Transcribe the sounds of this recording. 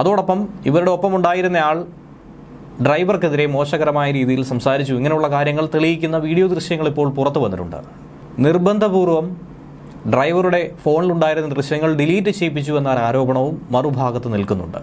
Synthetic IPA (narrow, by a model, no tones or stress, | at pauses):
ɐðoːɽɐpːɐmiʋɐɾuɽe̞o̞pːɐmuɳɖaːjiɾunːɐjaːɭ | ɖrɐjʋɐrkeðiɾe̞mo̞ːɕɐɣɐɾɐmaːjɐɾiːðijilsɐmsaːɾit͡ɕːuiŋːɐnejuɭːɐkaːɾjɐŋːɐɭt̪ɐɭijikʲːunːɐʋiːɽijod̪rɨɕjɐŋːɐɭipːo̞ːɭpurɐt̪ːuʋɐnːitːṵɳɖɨ̰ | nirbɐnd̪ʱɐbuːrʋɐm | ɖrɐjʋɐruɽe̞fo̞ːɳiluɳɖaːjiɾunːɐd̪rɨʂjɐŋːɐɭɖiliːtːɨt͡ɕe̞jp̬ːit͡ɕːuenːaːɾaːɾo̞ːbɐɳɐʋumːɐrubʱaːɡɐt̪ːɨnilkunːṵɳɖɨ̰